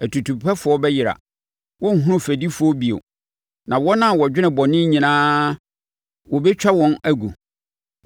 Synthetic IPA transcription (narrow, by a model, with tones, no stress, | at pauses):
æ˨tʰu˨tʰu˨pʰɛ˦fʊ˨˦ɔ˦bɛ˦jɪ˨ɾa̰˨ | wɔ̃˦ŋ̩˨ɦũ˦ũ˦fæ˨di˦fʊ˨˦ɔ˦bi˨o̰˨ | nã˨wɔ˦nã˦˨wɔ˨d͡ʑᶣɪ˦nɪ̃˨bɔ˨nɪ̃˦ɲĩ˨nãː˦ | wɔ˨bɛ˦t͡ɕᶣa˦wɔ̃˦næ˦ɡu˨